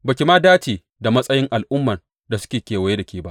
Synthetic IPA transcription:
bɐ˨kʲɪ˨maː˦daː˦t͡ʃiː˨ | da˨mɐ˦sʼɐ˦jɪ˦ŋʔa˨lʔʊ˦mːɐ˨n | da˨sʊ̥˦kʲeː˨kʲeː˨wɐ˨je˦da˨kʲeː˨ba˦ʔ

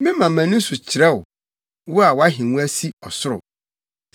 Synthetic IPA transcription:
mɪ̃˦mã˨mæ̃˨nʊ̃˦n̩˦sʊ˨t͡ɕʰɪ˨ɾɛ˦wʊ˨ | wʊ˦a˨wa˦ɦɪ̃˨wũ˦æ˦si˦ɔ˨sʊ˦ɾʊ̰˨

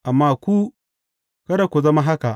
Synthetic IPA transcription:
ʔa˨mːaː˦kʷu˦ | kɐ˦da˨kʷu˨zɐ˦ma˦ɦa˦ka˨ʔ

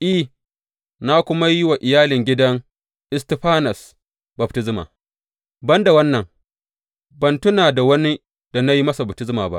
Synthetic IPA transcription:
ʔi˦˨ | na˦kʷʊ˦ma˦jɪ˦wa˨ʔɪ˨jaː˦lɪ˨ŋɡʲɪ˦dɐ˦ŋ | ʔɪ˦stɪ˨ɸaː˦nɐ˨s | bɐ˨b̚tɪ˦zma̰ː˨ | bɐ˦nda˨wɐ˦nːɐ˨ŋ | bɐ˨ntʊ˦naː˨da˨wɐ˦ni˦ | d̥a˨na˦ji˦mɐ˦sa˨bɐ˨tɪ˦zmaː˨ba̰˦ʔ

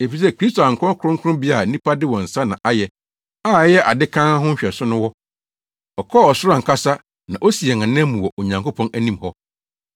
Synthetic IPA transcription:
e˨fi˨s̬ɛ˦kʰɾi˦stʰo˨a˨ŋ̩˨kʰɔ̃˦kʰʊ˦ɾʊ̃˦ŋ˦kʰʊ˦ʊ̃˦bi˦a˨˦nĩ˦pʰa˦dɪ˦wɔ̃˨n̩˨sa˦nã˨ʔa˦jɛ˨ | aː˦˨˦jɛ˦ʔa˨dɪ˦kʰã˦ɦʊ̃˦ɲ̩˦ɕᶣɛ˨sʊ˦nʊ̃˦wɔ˦ | ɔ˨kʰɔ˦˨ɔ˨sʊ˦ɾã˨ŋ̩˨kʰa˦sa˦ | nã˨ʔo˦si˨ɛ˨ŋã˨nɛ̃˦mũ˨wɔ˨ʔo˨ɲã˨ŋko˦pʰɔ̃˦næ˦nĩ˦mhɔ˦

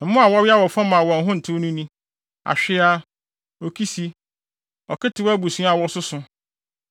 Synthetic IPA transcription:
m̩˦mʊ̃˦a˨wɔ˦ɥɪ˦a˦wɔ˨fã˦mã˨wɔ̃˨ɦʊ̃˦n̩˨tʰʊ̃˦nũ˦nĩ˦ | a̰˨ɕᶣɪ˦a˦ | o˨kʰi˦si˦ | ɔ˨kɪ˦tʰɪ˨wæ˦bu˨sũ˦a˨wɔ˦sʊ˦sʊ˦

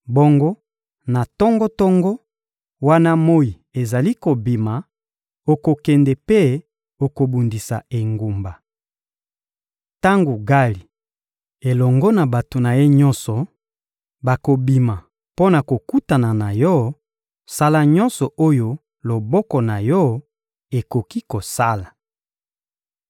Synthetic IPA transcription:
bɔ˦ŋɡo˦ | na˨tɔ˦ŋɡɔ˦tɔ˦ŋɡɔ˦ | wa˦na˦mo˦ji˨e˨za˨li˦ko˨bi˨ma˨ | o˨ko˨kɛ˨ndɛ˨pe˦ | o˨ko˨bu˨ndi˨sa̰˨e˨ŋɡu˨mba˨ | ta˦ŋɡo˨ɡa˦li˨ | e˨lɔ˨ŋɡɔ˦na˨ba˨to˨na˨je˦ɲɔ˦nsɔ˨ | ba˨ko˨bi˨ma˨ | po˦na˨ko˨ku˦ta˨na˨na˨jɔ˦ | sa˦la˦˨ɲɔ˦nsɔ˨ʔo˦jo˦ | lo˨bɔ˦kɔ˨na˨jɔ˦ | e˨ko˨ki˦ko˨sa˦la˨

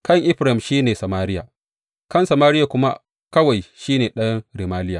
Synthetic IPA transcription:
kɐ˦˨ŋʔɪ˦ɸɾa˨ɪ˨mʃiː˦neː˨sɐ˨maː˦ɾɪ˦ja̰˨ | kɐ˦˨nsɐ˨maː˦ɾɪ˦ja˨kʷʊ˦ma̰˦ | kɐ˦wa˨jʃiː˦neː˨ɗɐ˦nɾi˨maː˦lɪ˦jaː˨

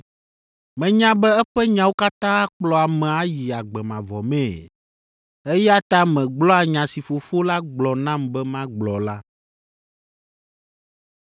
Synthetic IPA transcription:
mɛ̃˨ɲã˦bɛ˦ɛ˦ɸɛ˦ɲã˨wo˦ka˦t̪ã˦a˦k͡plɔ˨a˨mɛ̃˨a˦ji˨a˨ɡ͡bɛ˨mã˨vɔ˨mɛ̃˨ | ɛ˦ja˦t̪a˦mɛ̃˨ɡ͡blɔ˦a˨ɲã˨si˨fo˨fo˦la˦ɡ͡blɔ˨nã˦mbɛ˦mã˦ɡ͡blɔ˨la˦

